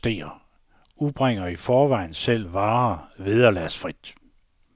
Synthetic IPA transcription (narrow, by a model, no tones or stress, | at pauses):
d̥e̝̰ːɐ | ub̥ʁeŋ̰ɐifɒːʋɑ̈ɪ̰n̩sel̰ʋɑ̈ːʋiðˠɐlæsfʁid̥